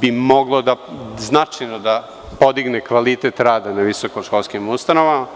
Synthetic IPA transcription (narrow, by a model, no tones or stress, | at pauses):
bimo̞ɡlˠod̪aznat͡ʃajnod̪a | po̞d̪iɡnekʋalit̪et̪ɾaːd̪anaʋisokoʃkolˠskimust̪anoʋama